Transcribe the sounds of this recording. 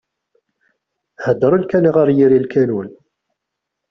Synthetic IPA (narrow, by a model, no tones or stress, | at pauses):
həd̪ːəɾˤulkæniʁaɾˤjiɾilkænun